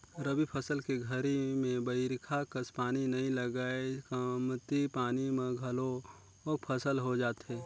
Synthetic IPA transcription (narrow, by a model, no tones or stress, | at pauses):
ɾəbipʰəsəlkeɡʱəɾimẽbəɪɾkʰakəspaːninɐɦĩlɐɡaːekəmt̪ipaːnimẽɡʱɐlo | ɔːk̚pʰəsəlɦod͡ʒaːt̪ɦɛː